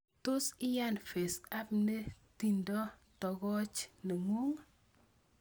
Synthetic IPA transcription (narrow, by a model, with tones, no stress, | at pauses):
to˦si˦ja˦˨nfe˨sa˦pne˦ti˨ndɔ˦tɔ˨ɡɔ˦t͡ʃne˨ŋu˦ŋ